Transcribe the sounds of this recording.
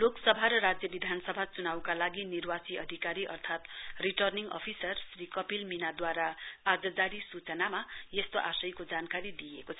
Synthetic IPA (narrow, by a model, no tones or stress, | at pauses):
loksʌbʱaɾʌɾad͡zjʌbid̪ʱanʌsʌbʱat͡sunawkalaɡinirwat͡siʌ̰d̪ʱikaɾiʔʌ̰rt̪ʰat̪riʈʌrniŋɡʌ̰pʰisʌrsrikʌpilminad̪waɾaad͡zʌd̪aɾisut͡sʌnamajest̪oʔasʌjkod͡zankaɾid̪ijekot͡sʰʌ